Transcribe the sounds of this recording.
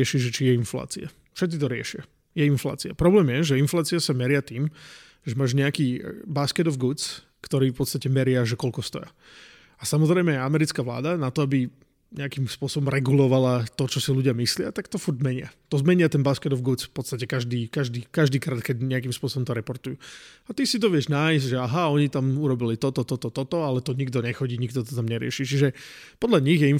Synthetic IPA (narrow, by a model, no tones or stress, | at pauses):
ɛʃiʒɛt͡ʃijɛinfla̰ːt͡sia | fʃɛt̪̚t͡sit̪ɔɾɪɛ̰ʃɪa | jɛinfla̰ːt͡siapɾɔblɛːmjɛʒɛinflaːt͡siasamɛɾɪat̪iːm | ʒɛmaːʒɲɛakiːbaskɛd̪ɔvɡut͡s | kt̪ɔɾiːfpɔt̪st̪acɛmɛɾɪaʒɛkɔlkɔst̪ɔ̰ja | asamɔzɾɛɪmɛjamɛɾit͡skaʋla̰ːd̪anat̪ɔabi | ɲɛakimspʊɔsɔbɔmɾɛɡulɔʋalat̪ɔt͡ʃɔsiluɟɪamislɪa̰t̪akt̪ɔfuɾzzmɛɲɪat̪ɔzmɛɲɪat̪ɛnbaskɛt̪ɔvɡut͡sfpɔt̪st̪acɛkaʒd̪iːkaʒd̪iːkaʒd̪iːkɾaːt̪̚kɛɟɲɛakiːmspʊɔsɔbɔmt̪ɔɾɛpɔɾt̪ujuat̪isit̪ɔʋɪɛʒnajzʒɛaɦaɔɲit̪amuɾɔbilit̪ɔt̪ɔt̪ɔt̪ɔt̪ɔt̪ɔalɛt̪ɔɲiɡd̪ɔɲɛxɔɟiːɲiɡd̪ɔt̪ɔt̪amɲɛɾɪɛ̰ʃit͡ʃiʒɛpɔd̪ʎaɲiɣjɛi